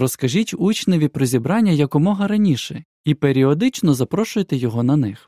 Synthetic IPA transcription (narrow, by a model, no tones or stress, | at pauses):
ɾɔskɐʒitʲut͡ʃnɔʋʲipɾɔzʲibɾɑnʲːɐjɐkʊmɔɦɐɾɐnʲiʃɛ | ipeɾʲiɔd̪ɪt͡ʃnɔzɐpɾɔʃʊjet̪ɛjɔɦɔnɐnɪx